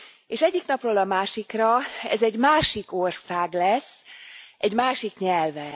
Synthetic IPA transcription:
eːʃɛɟːiknɒproːlɒmaːʃikrɒɛ̰zɛɟmaːʃikorsaːɡlɛsːʔɛɟmaːʃikɲɛlvɛ

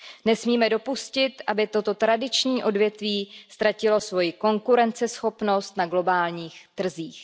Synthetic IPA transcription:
nɛsmiːmɛdo̞puscɪt̪ʔabɪt̪o̞t̪o̞t̪ɾadɪt͡ʃɲiːʔo̞dvjɛt̪viːst̪ɾacɪlo̞svo̞jɪko̞ŋkuɾɛnt͡sɛsxo̞pno̞st̪naɡlo̞baːlɲiːxt̪r̩ziːx

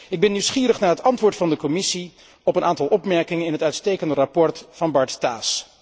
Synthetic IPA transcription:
ɪɡ̚bɛnːiwsχiːɾəχnaːɹɦətɑntʋʊːɹtfɑndəkɔmɪsi | ɔpənaːntɑlˠʔɔpmɛɹkɪŋənɪnɦətœɥtstejkəndərapɔɹtfɑnbɑɹttaːs

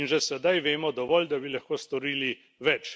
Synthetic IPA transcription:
inʒɛsɛd̪ajʋeːmɔd̪ɔʋɔːld̪abilɐxkoːst̪ɔɾiːli | ʋɛt͡ʃ

